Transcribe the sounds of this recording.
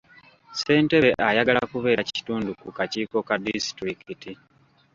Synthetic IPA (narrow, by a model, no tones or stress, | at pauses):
se̞ːnte̞βeʔajaɡalakuβe̞ːɾaci̥tuːndukukaciːko̞kadisi̥tɾikiti